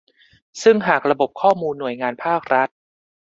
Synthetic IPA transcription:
sɯ˥˩ŋɦaː˨˩k̚ɾa˧bo˨˩p̚kʰɔː˥˩muː˧nːu˨˩əjŋaː˧npʰaː˥˩k̚ɾa˦˥t̪̚

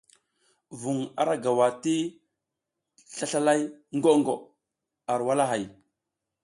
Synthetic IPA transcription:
vu˨ŋa̰˨ɾa˦ɡa˨wa˨ti˦ | ɬa˦ɬa˦la˦jŋɡo˦ŋɡo˨ | a˨ɾwa˦la˦ɦa˨j

